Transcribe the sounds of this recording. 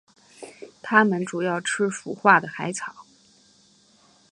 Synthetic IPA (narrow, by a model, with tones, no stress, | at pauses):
t̪ʰa˥mə˨nʈ͡ʂu˨˩jɑ˥˩ʊʈ͡ʂʰɻ̩˥fu˨˩xwa˥˩d̪ə˩xa˧˥ɪt͡sʰɑ˨˩˦ʊ